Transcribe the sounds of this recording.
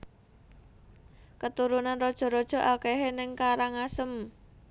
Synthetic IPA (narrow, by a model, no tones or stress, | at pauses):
kət̪uɾunanrɔd̥ʒ̥ɔ̤ɾɔd̥ʒ̥ɔ̤ʔakɛɦenɪŋkaɾaŋasəm